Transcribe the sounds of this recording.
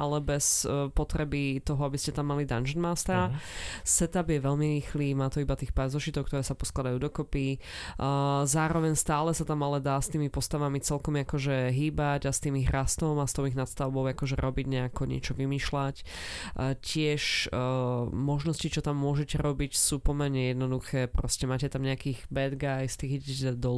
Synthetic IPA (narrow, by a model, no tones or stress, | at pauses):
ʔalɛbɛspɔt̪ɾɛbit̪ɔɦɔabiscɛt̪amːalid̪and͡ʒɛnmast̪ɾasɛt̪abjɛʋɛʎmiɾiːxliːmaːt̪ɔibat̪iːxpazɔʃit̪ɔkt̪ɔɾɛːsapɔsklad̪ajuːd̪ɔkɔpi | zaːɾɔʋɛɲst̪aːlɛsat̪amalɛd̪aːst̪iːmipɔst̪aʋamit͡sɛlkɔmiakɔʒɛɦiːbaɟast̪iːmiɣɾast̪ɔmast̪ɔʊiɣnat̪st̪aʊbɔʊakɔʒɛɾʔɔbiɟɲɛakɔɲɪɛ̰t͡ʃɔʋimiːʃlacː | cɪɛʃ | mɔʒnɔscit͡ʃɔt̪amːʊɔʒɛcɛɾɔbicsuːpɔmɛɾɲɛjɛd̪nɔd̪uxɛːpɾɔscɛmaːcɛt̪amɲɛakiːɣbɛd̪ɡajst̪iːɣiɟɛcd̪ɔ